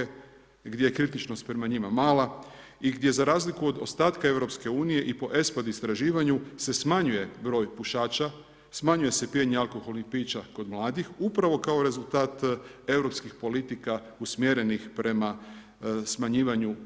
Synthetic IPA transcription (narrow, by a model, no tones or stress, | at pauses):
e | ɡd̪ʲje̞jekɾit̪it͡ʃno̞st̪pɾe̞maɲimamaːla | iɡd̪ʲje̞zaɾaːzlikuo̞d̪o̞st̪aːt̪kae̞ʋɾo̞pske̞uːnije̞ʔipo̞ʔe̞spad̪ist̪ɾaʒiːʋaɲuse̞smaɲuje̞bɾo̞ːjpuʃaːt͡ʃa | smaɲuje̞se̞pieɲealko̞xo̞lˠnixpiːt͡ʃako̞d̪mlˠaːd̪ixupɾaʋo̞kao̞ɾe̞zulˠt̪aːt̪e̞ʋɾo̞pskixpo̞lit̪ika | usmjeɾe̞nixpɾe̞ma | smaɲiːʋaɲu